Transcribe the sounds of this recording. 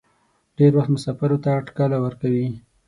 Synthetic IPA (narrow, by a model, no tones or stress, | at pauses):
ɖ̥eɾwaxt̪mʊsɑfaɾot̪aːʈkɑlawəɾkawi